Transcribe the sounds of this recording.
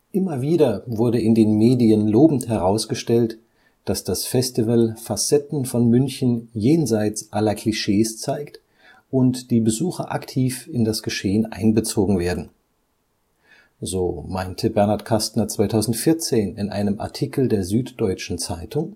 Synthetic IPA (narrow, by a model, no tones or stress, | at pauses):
ʔɪmɐviːɾɐvʊɐɾəɪndeːnmeːdiənloːbm̩thɛʁaʊsɡ̥əʃtɛlt | d̥asd̥asfɛstivəlfasɛtn̩fɔnmʏnçn̩jeːnzaɪt͡sʔalɐkʰl̥iʃeːst͡saɪkt | ʔʊntd̥iːbəzuːxɐʔaktʰiːfɪndasɡ̥əʃeːənʔa̰ɪnbət͡soːɡŋ̩veːɐdn̩ | zoːmaɪntʰəbɛɐnaɐtkʰastnɐt͡sv̥aɪtʰaʊzn̩tfɪɐt͡seːnɪnʔa̰ɪnəmʔa̰ɐtʰiːkl̩deːɐzyːtd̥ɔʏt͡ʃn̩t͡saɪtʰʊŋ